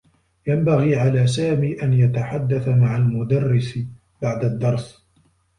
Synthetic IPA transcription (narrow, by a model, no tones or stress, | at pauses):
jambaɣiːʕalaːs̬aːmiːʔanjat̪aħad̪ːaθamaʕalmʊd̪ɑrːɪsɪ | baʕd̪ad̪ːɑɾˤs